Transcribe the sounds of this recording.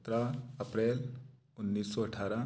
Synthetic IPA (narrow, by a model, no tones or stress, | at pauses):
t̪ɾaɐpɾeːl | ʊnːiːsːɔɐʈʰaːɾa